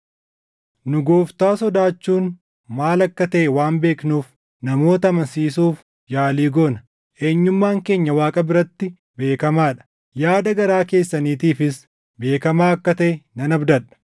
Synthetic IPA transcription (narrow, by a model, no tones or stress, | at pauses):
nʊɡoːft̪aːsɔd̪aːt͡ʃːuːn | maːlɐkːɐt̪ɐʔɛwaːmbe̞ːknuːf | nɐmo̞ːt̪ɐːmɐnsiːsuːf | jaːliːɡoːnɐ | ʔe̞ːɲːʊmːaːŋke̞ːɲːɐwaːkʼɐbɪɾɐt̪ːɪ | be̞ːkɐmaːᶑɐ̥ | jaːd̪ɐɡɐɾaːke̞ːsːɐniːt̪iːfɪs | be̞ːkɐmaːɐkːɐt̪ɐʔɛnɐnɐbd̪ɐᶑɐ̥